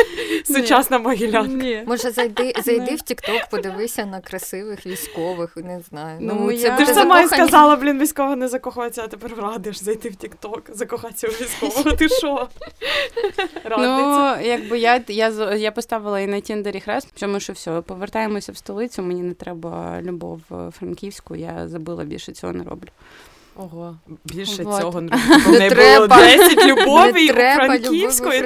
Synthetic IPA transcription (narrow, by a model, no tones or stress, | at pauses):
sʊt͡ʃasnɐmɐɦʲilʲanknʲimɔʒɛzɐjt̪ɪzɐj̪ɪwtʲikt̪ɔkpɔd̪ɪʋɪsʲɐnɐkɾɐsɪʋɪxʋʲisʲkɔʋɪxnɛznɑjʊnuj̪ɛt̪ɪʃsɐmaiskɐzɑlˠɐblʲinʋʲijsʲkɔʋɐnɛzɐkɔxat͡sʲɐɐt̪epɛrʋrɑd̪ɪʃzɐjt̪ɪwtʲikt̪ɔkzɐkɔxasʲɐʊʋʲisʲkɔʋɔɦɔt̪ɪʃɔ | ranujɐɡbɨjajazjapɔst̪ɑʋɪlˠɐinɐtʲind̪eɾʲixɾɛst͡ʃɔmɪʃt͡ʃɔwsʲɔpɔʋert̪ɑjemɔsʲɐwst̪ɔlˠɪt͡sʲʊmɛnʲinɛt̪ɾɛbɐlʲʊbɔ̰wfrɐnkʲiwsʲkʊ̰ja̰zɐbɨlˠɐ̰bʲḭlʲʃɛt͡sʲɔ̰ɦɔ̰nɛ̰ɾɔ̰blʲʊ | ɔɦobʲilʲʃɛoɔɦ̪ɔnnɛt̪bɾɛdbɐɛsʲɐtʲlʲʊbɔʋɪt̪ɾɛɾɐbɐlʲkisʲkɔ